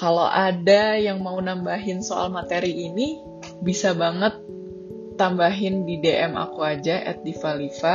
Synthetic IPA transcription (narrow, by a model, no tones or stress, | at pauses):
kalo̰ʔadajaŋmaunambaɦɪnsoa̰lmat̪eɾiːni | bisabaŋət̪̚ː | ambaɦɪndideʔɛma̰kuad͡ʒaʔɛ̰t̪̚difalifa